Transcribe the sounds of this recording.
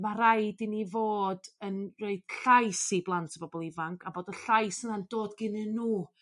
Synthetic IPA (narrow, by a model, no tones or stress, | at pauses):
maɾajdinivoːdənroɨd̥ɬajsiblˠantʰəbɔbɔlˠɪvaŋkʰaboːdəɬajsənand̥oːdɡɪnɨnuː